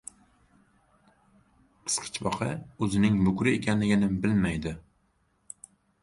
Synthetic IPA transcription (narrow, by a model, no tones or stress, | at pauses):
qʰɨ̥sqʰɨ̥t͡ʃbɒqʰɨ̰ɵzɪnɪŋmʊkʲɾɪekʲanlɪɡʲɪnɪbɪlmajd̪ɪ